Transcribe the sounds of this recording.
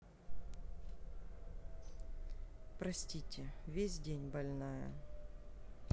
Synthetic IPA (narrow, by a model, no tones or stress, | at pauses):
pɾɐsʲtʲitʲɪvʲesʲdʲenʲbɐlʲnajə̰